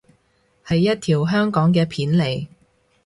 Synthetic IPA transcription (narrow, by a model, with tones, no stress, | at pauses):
hɐ˨jːɐ˥t̚t̪ʰiː˨˩wɦœː˥ŋkɔː˨˥ŋkɛː˧pʰiː˨˥nle˨˩j